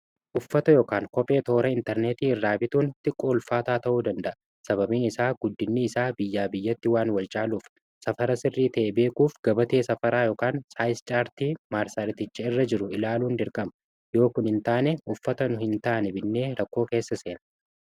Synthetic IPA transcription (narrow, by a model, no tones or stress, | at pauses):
ʔʊfːɐt̪ɐjoːkaːŋkɔpʼe̞ːt̪o̞ːɾɐɪnt̪ɛɾneːt̪iːɪrːaːbɪt̪uːnt̪ɪkʼːoːlfaːt̪aːt̪ɐʔuːd̪ɐnd̪ɐʔɐ | sɐβɐbiːnɪsaːɡ̥ʊd̪ːɪnːiːɪsaːbɪjːaːbɪjːɐt̪ːɪwaːnwɐlt͡ʃʼaːluːf | sɐfɐɾɐsɪrːiːt̪ɐʔebe̞ːkuːfɡ̥ɐbɐt̪e̞ːsɐfɐɾaːjo̞ːkaːnsaːjst͡ʃʼaːɾt̪iːmaːɾsɐɾɪt̪ɪt͡ʃːɐɪrːɐd͡ʒɪɾʊɪlaːluːnd̪ɪɾkʼɐmɐ | jo̞ːkʊnhɪnt̪aːnɛʔʊfːɐt̪ɐnʊhɪnt̪aːnɛbɪnːe̞ːɾɐkːo̞ːke̞ːsːɐse̞ːnɐ